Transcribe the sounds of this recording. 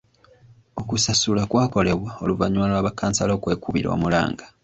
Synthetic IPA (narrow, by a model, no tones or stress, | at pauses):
o̞kusasulakwaːko̞le̞βwao̞luvaɲwaːlowaβakːaːnsalo̞ːkwe̞ːkuβiɾo̰ːmula̰ːŋɡḁ